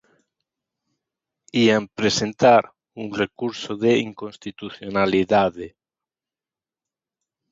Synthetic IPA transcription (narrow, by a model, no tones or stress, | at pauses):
iampɾesent̪aɾ | unrekuɾsoðeiŋkonst̪it̪uθjonaliðaðe